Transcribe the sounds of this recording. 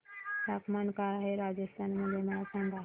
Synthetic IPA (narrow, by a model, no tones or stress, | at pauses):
t̪akmankaɾaɦeɾad͡ʒəst̪ʰanməd̪ʱːjemaasãŋɡ̪ʱa